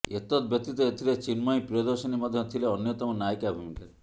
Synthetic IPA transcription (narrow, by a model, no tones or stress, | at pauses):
et̪ɔt̪̚bjɔk̚t̪ːit̪ɔet̪ʰilet͡ʃinmɔĩpɾiɔd̪ɔɾsɔnimɔd̪ʱjɔt̪ʰileɔnjɔt̪ɔmɔnajkabʱumikaɾe